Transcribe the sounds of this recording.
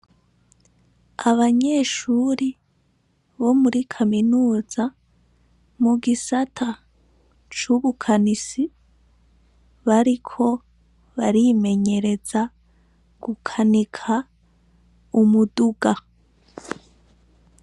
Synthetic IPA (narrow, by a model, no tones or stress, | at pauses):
aβaɲe̞ːʃuːɾi | βo̞muɾikʰaminuːza | muɡisatʰa | t͡ʃuβukʰanisi | βaɾikʰo̞ | βaɾime̞ɲe̞ɾe̞za | ɡ̥ukʰanikʰa | umuduɡa